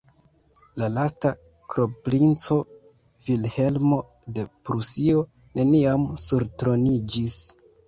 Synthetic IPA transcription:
lalasta | kɾo̞pɾint͡so̞ | vilhe̞lmo̞ | de̞pɾusio̞ | nʔe̞niamsuɾtɾo̞nid͡ʒis

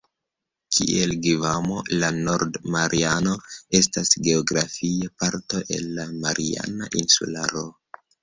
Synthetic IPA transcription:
kʰḭʔelɡivamolano̞ɾdmaɾʔiano̞e̞stasɡe̞oɡɾafiepaɾto̞ʔe̞̰nːamaɾʔḭa̰naʔinsṵlaɾo

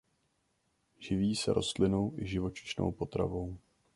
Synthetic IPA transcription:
ʒɪviːsɛ̰ɾʔo̞̰st̪lɪno̞wʔɪʒɪvo̞t͡ʃɪ̥ʃno̞̰wpo̞t̪ɾa̰vo̞w

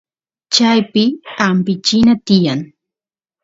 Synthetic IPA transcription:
t͡ʃajpɪampɪt͡ʃɪnat̪ɪjaŋ

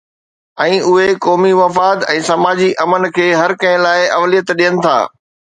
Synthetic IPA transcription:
ɛ̃ːʔʊɦekɔːmiʋɐfaːd̪ɛ̃ːsɐmaːd͡ʑiʔɐmənkʰeːɦɐɾkɐ̃ɦɪ̃laːɪɐʋlijət̪ɗijənɪ̆t̪ʰa̰ː

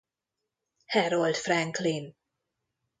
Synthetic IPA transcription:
hɛɾɔld̥fɾæ̃ŋkʰlin

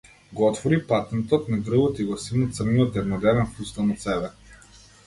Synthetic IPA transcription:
ɡoɔt̪voɾipat̪ɛnt̪ot̪nɐɡ̪ɾuvot̪iɡosinət̪səɾniot̪̚d̪ɛvnod̪ɛvɛnpust̪anɐt̪sɛbɛ

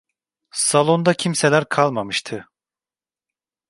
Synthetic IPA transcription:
salˠo̞nd̪acʰimselʲæɾkʰalˠmamɯʃt̪ʰɯ

